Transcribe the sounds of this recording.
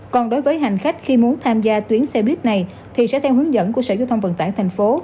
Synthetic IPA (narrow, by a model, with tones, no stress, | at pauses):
kɔ˨˩nɗo˨˦jvəː˨˦jɦa˨˩jŋ̟xa˦˥k̟̚xi˧mu˨˦ənt̪ʰaː˧mzaː˧t̪wi˨˦ənsɛ˧ɓi˦˥ət̚na˨˩j | t̪ʰi˨˩sɛ̰˧˥t̪ʰɛ˧wɦɨ˨˦əŋzə̰˧˥nku˧˩əsə̰ː˧˩zaː˧wt̪ʰwŋ͡mvə̰˧˨˩nt̪a̰ː˧˩jt̪ʰa˨˩ŋ̟fo˨˦